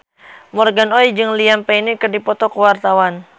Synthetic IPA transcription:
mɔrɡanɔid͡ʒɨŋliampɛinikɨrdipɔt̪ɔkəwart̪awan

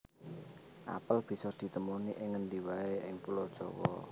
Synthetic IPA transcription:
ʔa̰pəlb̥i̤sɔd̪̥i̤t̪əmuniʔɪŋːənd̪iwaeɪŋpulɔd̥ʒ̥ɔ̤wɔ̰

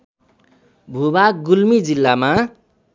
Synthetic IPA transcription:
bʱubak̚ɡulmid͡zilːama

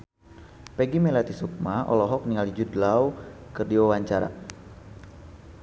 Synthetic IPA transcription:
pɛɡimɛlat̪isuk̚maɔ̰lɔɦɔk̚niŋalid͡ʒudlaukərdiɔwaɲt͡ʃaɾa̰

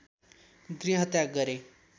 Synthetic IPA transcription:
ɡɾiɦət̪jaɡəɾe

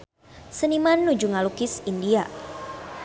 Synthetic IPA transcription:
sənimanːud͡ʒuŋalukisindia

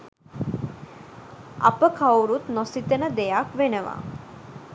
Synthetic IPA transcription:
a̰pəkʰawɾut̪nosit̪ənəd̪ejakʋenəʋa̰

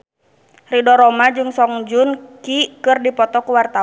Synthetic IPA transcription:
ridɔɾɔmad͡ʒɨŋsɔŋd͡ʒʊnkikɨrdipɔt̪ɔkuwart̪a

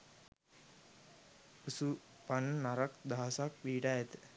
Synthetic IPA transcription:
usu | pannaɾakd̪aɦasakʋiːʈaɛt̪ə̥

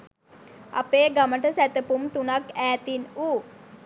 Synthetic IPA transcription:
a̰peːɡaməʈəsæt̪əpumt̪unakæːt̪inuː

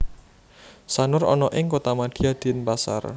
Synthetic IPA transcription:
sanʊɾɔ̰nɔʔɪŋkot̪amad̪̥i̤ad̪̥inpasa̰r

